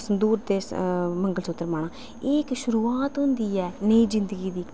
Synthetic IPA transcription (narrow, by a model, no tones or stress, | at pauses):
sənd̪uːɾd̪eːməŋɡəlsʊt̪ːəɾmaːɳ̃ãː | eːkʃʊɾuːaːt̪ɦʊ̃nd̪iːɛːnəiːd͡ʒɪ̃nd̪əɡiːd̪iː